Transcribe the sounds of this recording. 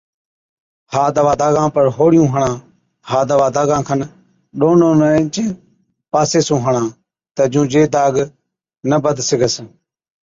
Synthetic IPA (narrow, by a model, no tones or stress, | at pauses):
haːd̪əʋaːd̪aːɡãːpəɾɦoːɽjũːɦəɳãː | haːd̪aʋaːd̪aːɡãːkʰən | ɗoːnõːnə̃t͡ʃẽː | paːseːsũːɦəɳãː | t̪əd͡ʒũːd͡ʒeːd̪aːɡ | nəbəd̪sɪɡəs